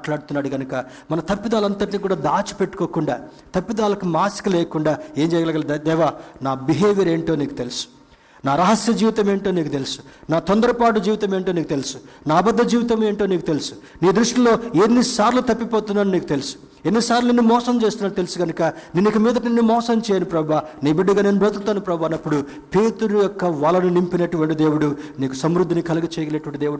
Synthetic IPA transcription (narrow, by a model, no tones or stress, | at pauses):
ʈlaːɽut̪unːaːɽuɡɐnukɐ | mɐnɐt̪ɐpːid̪aːlɐnt̪ɐʈ̬iniːk̬uːɽaːd̪aːt͡ʃi̥pe̞ʈːu̥koːkuɳɖa̰ː | t̪ɐpːid̪aːlɐkumaːskulɛːkuɳɖaːe̞ːɲd͡ʒɛːjɐɡɐalɡɐld̪d̪ɛːʋaːnaːbiɦeːʋjɐɾe̞ːɳʈo̞ːniːkut̪e̞lusu̥ | naːɾɐɦɐsjɐd͡ʒiːʋit̪ɐme̞ːɳʈoːniːkut̪e̞lusu̥naːt̪ond̪ɐɾɐpaːʈ̬ud͡ʒiːʋit̪ɐme̞ːɳʈoːniːkut̪e̞lisu̥naːbɐd̪ːɐd͡ʒiːʋit̪ɐme̞ːɳʈo̞ːniːkut̪e̞lusu̥ | niːd̪ɾuʂʈilo̞ːenːisaːɾlut̪ɐpːipoːt̪unːaːnuniːkut̪elusu̥ | enːisaːɾlunenːumɔːsɐmt͡ʃe̞ːst̪unːaːɽt̪elusuɡɐnukɐninːikɐmiːd̪ɐnenːumɔːsɐmt͡ʃɛːjɐnupɾɐbaːniːbiɽːiɡaːne̞ːnubɾɐt̪ɐlt̪ːaːnupɾɐbʱaːnɐpːuɽu | pe̞ːt̪uɾujɔkːɐʋaːlɐnunimpinɐʈuʋɐɳʈid̪eːwuɽuniːkusɐmɾud̪ːinikɐlɐɡɐt͡ʃɛːjɐleʈuʋɐɳʈid̪eːwuɽu